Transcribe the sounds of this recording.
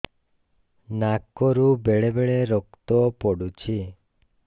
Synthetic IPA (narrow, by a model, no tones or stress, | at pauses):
nakɔɾubeɭebeɭeɾɔkt̪ɔpɔɽut͡ʃʰi